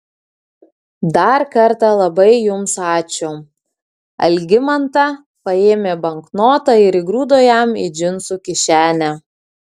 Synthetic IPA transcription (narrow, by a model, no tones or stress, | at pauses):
d̪ɐɾkɐɾt̪ɑlˠɐbɐɪjʊmsɑːt͡ʃʲʊ | ɐ̰lʲɡʲɪmɐnt̪ɑ | pɐeːmʲeːbɐŋknoːt̪ɐɪɾɪɡɾuːd̪oːjɛmɪ̰d͡ʒʲɪnsuːkʲɪʃʲæːnʲæ